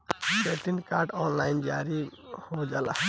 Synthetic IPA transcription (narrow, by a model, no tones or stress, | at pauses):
beʈinkaːɾɖɔnlaːɪnd͡ʒaːɾihod͡ʒaːla̰